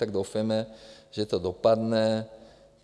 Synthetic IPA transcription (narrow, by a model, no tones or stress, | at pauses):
aɡ̚d̪ofɛmɛʒɛt̪od̪ɔpad̪nɛ